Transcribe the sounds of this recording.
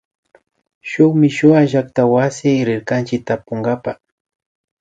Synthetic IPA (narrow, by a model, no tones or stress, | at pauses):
ʃʊχmɪʃʊaʒak̚t̪awasɪɾɪɾkant͡ʃɪk̚t̪apoŋɡapa